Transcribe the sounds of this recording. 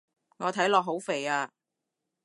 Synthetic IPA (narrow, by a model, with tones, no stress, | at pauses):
ŋɔː˨˧t̪ʰɐ˨˥jlɔː˨k̚ɦo˨˥wfe˨jaː˧